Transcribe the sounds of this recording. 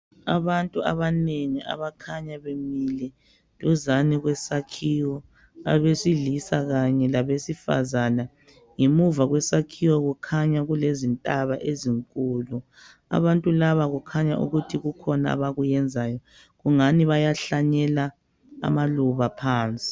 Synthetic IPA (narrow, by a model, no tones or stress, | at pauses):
a̰βantʼua̰βaneŋia̰βakʰaɲaβemilɛ | luzaniɣwɛsakʰiwɔ | a̰βesiɮisaɣaɲɛlaβesifa̰zana | ŋemuvaɣwɛsakʰiwɔɣukʰaɲaɣulezintʼaβaʔeziŋkʼulu | a̰βantʼulaβaɣukʰaɲa̰ʔṵɣutʰiɣukʰɔnaa̰βaɣujɛnd͡zʱajɔ | ɣuŋaniβajaɬaɲɛla | a̰maluβapʰaːnt͡sʼi̥